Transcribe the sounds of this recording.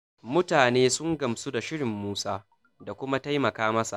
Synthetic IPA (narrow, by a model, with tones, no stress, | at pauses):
mʊ˦taː˨neː˦sʊ˦ŋɡɐ˨msu˦da˨ʃɪ˦ɽɪ˨mːuː˦saː˦ | da˨kʷʊ˦ma˦ta˦jmɐ˨kaː˦mɐ˦sa̰˨ʔ